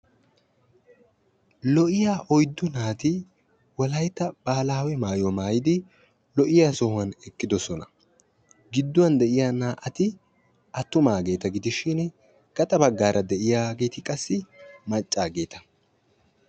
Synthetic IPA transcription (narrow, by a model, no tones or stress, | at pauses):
lɔʔɪjaːʔɔjd̪ːʊnaːt̪ɪ | wɐlɐjt̪ːɐb̥aːlaːwɛmaːjɔmaːjɪd̪ɪ | lɔʔɪjaːsɔhʊɐnɛkʼːɪd̪ɔsɔnɐ | ɡɪd̪ːʊwɐnd̪ɛʔɪjaːnaːʔɐt̪ɪ | ʔɐt̪ːʊmaːɡe̞ːt̪ɐɡɪd̪ɪʃɪn | ɡ̥ɐt̪ʼɐbɐɡːaːɾʔɐd̪ɛʔɪjaːɡe̞ːt̪ɪkʼɐsːɪmɐt͡ʃʼːaːɡe̞ːt̪ɐ̥